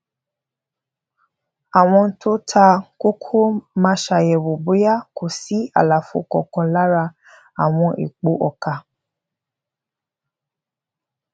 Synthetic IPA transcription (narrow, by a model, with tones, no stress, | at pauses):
a˨w̃ɔ̃˧n̩˦tʰo˦tʰa˧ko˦kʰo˦mã˧ʃa˨jɛ˨wo˨bo˨˦ja˦kʰo˨si˨˦a̰˨la˨fo̰˧˦kɔ˨kɔ̃˧la˦ɾa˧ | a˨w̃ɔ̃˧ʔḭ˨k͡po˨˦ʔɔ˨ka˧